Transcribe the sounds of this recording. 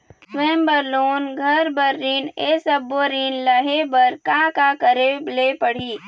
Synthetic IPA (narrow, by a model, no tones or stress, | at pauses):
sʋẽmbəɾloːnɡʱəɾbəɾːinesəbːoɾinləɦebəɾkãkakəɾeblepəɽ̤iː